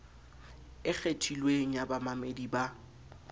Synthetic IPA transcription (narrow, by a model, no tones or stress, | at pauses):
ɪk͡xʰetʰilweŋ̩jabamamediba